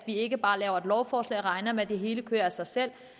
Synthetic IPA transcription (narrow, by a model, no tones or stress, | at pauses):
d̥ʋie̝ɡ̥əb̥ɑ̈ːlɛːʊɐe̝d̥lɒʊfɒːslɛ̰ːʁɑ̈ɪnɐmed̥e̝ɦe̝ːləkʰøːɐæsɑ̈ɪsel̰